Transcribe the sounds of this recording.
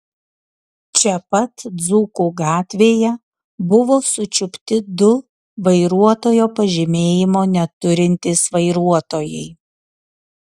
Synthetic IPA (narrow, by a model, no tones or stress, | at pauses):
t͡ʃʲɛpɐt̪d̪zuːkuɡɑːt̪ʲʋʲeːjɛ | bʊʋoːsʊt͡ʃʲʊpʲt̪ʲɪd̪ʊ | ʋɐɪɾuɔt̪oːjoːpɐʒʲɪmʲeːjɪmoːnʲɛt̪ʊɾʲɪnʲt̪ʲɪsʋɐɪɾuɔt̪oːjɛɪ